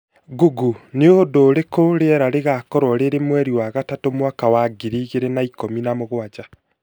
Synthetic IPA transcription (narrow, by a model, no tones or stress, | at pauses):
ɡuɡuneodoːɾekoɾeɛɾaɾeɣakɔɾwɔɾeɾemwɛɾiwaɣatatomwakawaɡiɾiːɣeɾenaikominamoɣwad͡ʒa